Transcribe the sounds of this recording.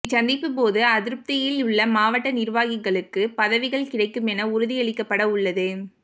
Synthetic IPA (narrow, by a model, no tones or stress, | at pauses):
t͡ʃɐnd̪ɪpːɯpoːðɯɐðɪɾɯp̚t̪ɪjɪlʊɭːɐmaːʋɐʈːɐnɪɾʋaːɣɪɣɐɭɯkːɯpɐðɐʋɪɣɐɭkɪɽɐɪkːɯmɛnɐʊɾʊðɪɐɭɪkːɐpːɐɽɐʊɭːɐðɯ